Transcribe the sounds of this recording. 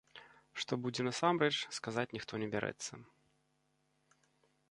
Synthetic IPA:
ʂt̪ɔbud͡zʲɛnɐsamɾɛt͡ʂskazat͡sʲnʲixt̪ɔnʲɛbʲaɾʔɛ̰t̪sːɐ

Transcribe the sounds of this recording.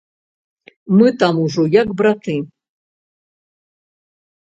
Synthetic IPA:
mɨt̪amuʐɔjakbɾat̪ɨ

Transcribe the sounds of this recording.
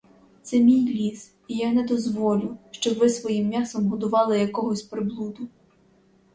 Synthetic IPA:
t̪sɛmʲijlʲiz | ijanɛd̪ɔzʋɔlʲʊʃt͡ʃɔbʋɪsʋɔjimːʲasɔmɦɔd̪ʊʋɑlˠɪjɐkɔɦɔsʲpɾɪblˠud̪ʊ

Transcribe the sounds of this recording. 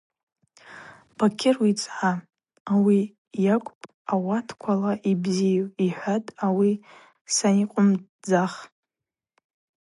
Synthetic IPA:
b̥akʲʰɪrwit͡sʼʕa | awi | jakʷʼpʼ | awatʰkʷʰalaʔibzijiħʷatʼawi | saniqʷʼʊmd͡zaχ

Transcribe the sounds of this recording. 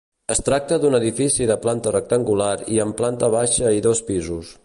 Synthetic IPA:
əst̪ɾak̚t̪əðunəðifisiðəplant̪ərək̚t̪əŋɡulaɾiəmplant̪əβaʃəiðɔspizus

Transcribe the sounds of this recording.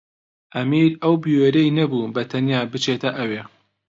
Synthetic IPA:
ʔɐmiːɾɐwbiweɾɐjnɐbubɐt̪ʰɐnjaːbɨt͡ʃet̪ʰɐʔɐweː

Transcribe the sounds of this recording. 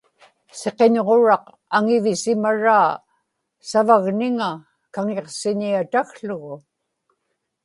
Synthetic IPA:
se̞qe̞ɲʁo̞ɻɑq | aŋɪvɪsɪmaɻaː | savaɣnɪŋa | kaŋe̞qsɪɲiat̪aɣɬʊɣʊ

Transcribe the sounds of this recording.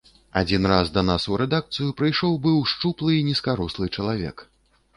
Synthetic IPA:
ad͡zʲinrazd̪ɐnasuɾɛd̪ak̚t̪sɨjupɾɨjʂɔwbɨwʂt͡ʂuplˠɨinʲiskaɾuslˠɨt͡ʂɐlˠavʲɛ̰k

